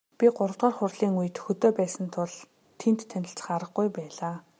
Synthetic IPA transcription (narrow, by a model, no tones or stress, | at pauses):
pʲiɢʊɾə̆wt̪ʁaːrχʊrɮiːŋujɘ̆t̪xɵt̪oːpæːsə̆nt̪ʰʊɮ | t̪ʰent̪ʰːænʲɪ̆ɬt͡sə̥̆χaɾə̆χɡujpæːɮaː